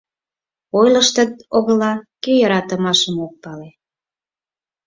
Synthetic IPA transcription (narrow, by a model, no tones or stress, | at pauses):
ojləʃt̪ə̆t̪̚oɣəlɑkejəɾɑt̪əmɑʃəmok̚pɑle